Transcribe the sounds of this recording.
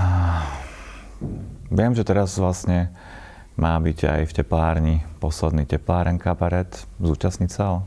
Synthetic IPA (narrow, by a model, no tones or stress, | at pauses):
ʋɪɛmʒɛt̪ɛɾazʋlasɲɛ | maːbiɟa̰jfcɛplaːɾɲipɔslɛd̪nicɛplaːɾɛnkabaɾɛt̪zuːt͡ʃasɲicsaɦɔ